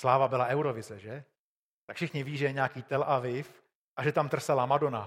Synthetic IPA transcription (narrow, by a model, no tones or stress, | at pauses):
slaːvabɪlaʔɛwɾovɪzɛʒɛ | t̪akfʃɪxɲɪviːʒɛjɛɲaːkiːt̪ɛlʔavɪf | ʔaʒɛt̪amt̪r̩sɛlamadona